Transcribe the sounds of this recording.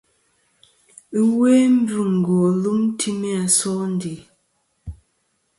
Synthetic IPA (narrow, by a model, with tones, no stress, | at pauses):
we˦m̩˦bu˨ŋ̩˨ɡɔ˨lu˦mtʰi˦me˦a˨sɔ˦n˦di˨